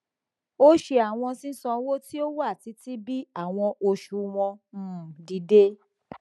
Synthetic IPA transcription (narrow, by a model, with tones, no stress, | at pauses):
o˦ʃe˧a˨w̃ɔ̃˧sĩ˦sɔ̃˧wo˦ti˦o˦wa˦˨ti˧˦ti˦bi˦a˦˨w̃ɔ̃˧ʔo˧ʃu˨˦w̃ɔ̃˧˦˨di˧de˦